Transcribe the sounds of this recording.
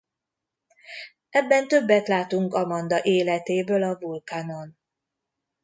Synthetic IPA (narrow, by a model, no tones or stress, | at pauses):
ɛbːɛnt̪ø̞bːɛt̪laːt̪uŋkɒmɒnd̪ɒʔeːlɛt̪eːbøːlɒvulkaːno̞n